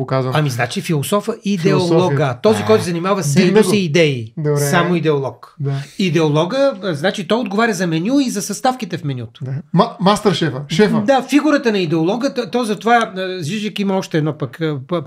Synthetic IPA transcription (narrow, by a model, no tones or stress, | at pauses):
okazvəɐmiznat͡ʃifilˠosɔfəʔid̪ɛoɔɡət̪ɔzikɔjt̪ʊzɐnimavɐsɛosiid̪ɛid̪obɾɛsamoid̪ɛolˠɔkd̪aid̪ɛolˠɔɡəznat͡ʃit̪ɔjod̪ɡovaɾʲɐzɐmɛnʲuizɐsɐst̪afkit̪ɛfmɛnʲṵt̪ʊ̥mamast̪əɾʃɛfəʃɛfd̪afiɡuɾət̪ənɐid̪ɛolˠɔɡət̪t̪ɔzɐt̪ovazviʒəkimɐɔʃt̪ɛːd̪nɔpɐkː